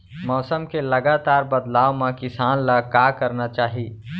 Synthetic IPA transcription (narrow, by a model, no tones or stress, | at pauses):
mɔːsəmkelɐɡaːt̪aːɾbɐd̪laːwmãkɪsaːnlakaːkɐɾnat͡ʃaːɦie